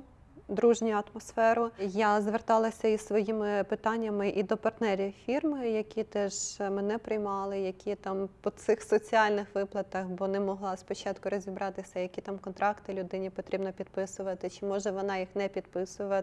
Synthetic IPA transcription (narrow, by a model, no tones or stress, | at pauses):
d̪ɾuʒnʲʊɐt̪mɔsfɛɾʊjazʋert̪ɑlˠɐsʲɐisʋɔjimɪpɪt̪ɑnʲːɐmɪʔid̪ɔpɐrt̪nɛɾʲiwfʲirmɪjɐkʲit̪ɛʒmɛnɛpɾɪjmɑlˠɪjɐkʲit̪ɑmpɔsɪxsɔt͡sʲiɑlʲnɪxʋɪplˠɐt̪ɐxbɔnɛmɔɦlˠɑspɔt͡ʃɑt̪kʊɾɔzʲibɾɑt̪ɪsʲɐjɐkʲit̪ɑmkɔnt̪ɾɑkt̪ɪlʲʊd̪ɪnʲipɔt̪ɾʲibnɔpʲid̪pɪsʊʋɐt̪ɪt͡ʃɪmɔʒɛʋɔnɑjixnɛpʲid̪pɪsʊʋɐ